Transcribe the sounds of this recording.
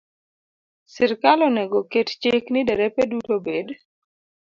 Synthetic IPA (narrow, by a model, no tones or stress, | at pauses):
sɪɾkalɔnɛɡokett͡ʃeknɪdɛɾɛpedutobed